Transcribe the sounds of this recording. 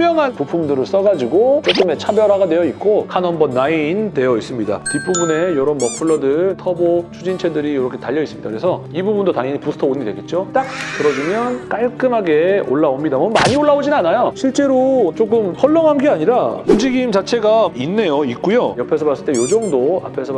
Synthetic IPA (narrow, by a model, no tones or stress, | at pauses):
mjʌŋɦanpupʰumdɯɾɯɭs͈ʌɡad͡ʑiɡot͡ɕokʰɯme̞t͡ɕʰabjʌɾaɡanwe̞jʌit̚k͈okʰanɦʌmbʌnːaintwe̞jʌis͈ɯmɲida̰kip͈ubune̞joɾʌnmʌpʰuɭːʌdɯɭtʰʌbot͡ɕʰud͡ʑint͡ɕʰe̞dɯɾijoɾʌkʰe̞taʎːʌis͈ɯmɲidakɯɾesʰʌibubundotaŋjeɲipusʰtʰʌoɲidwe̞ɡe̞t̚t͡ɕ͈ot͈ak̚kɯɾʌd͡ʑimjʌnk͈aɭk͈ɯmɦaɡe̞oɭːaomɲidamʌnmaɲioɭːaod͡ʑinɯnanajoɕʰiɭt͡ɕ͈e̞ɾot͡ɕok̬͈ɯmhʌʎːʌŋɦanɡeaɲiɾaund͡ʑiɡimt͡ɕat͡ɕʰe̞ɡainːe̞joik͈ujojʌpʰesʰʌbas͈ɯɭt͈ejod͡ʑʌŋdoa̰pʰe̞sʰʌ